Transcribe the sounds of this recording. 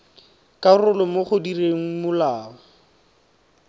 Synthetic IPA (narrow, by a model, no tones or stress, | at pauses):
kʼarʊlʊmʊχʊdireŋ̩mʊlaːɔ